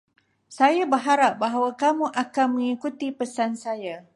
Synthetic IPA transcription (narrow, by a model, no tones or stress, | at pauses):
sajabəɦaɾap̚baɦawakamũʔakanmə̃ŋikut̪ipəsansaja